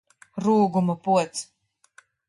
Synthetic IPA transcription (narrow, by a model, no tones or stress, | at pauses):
ɾuːɡumɐpuɔt̪s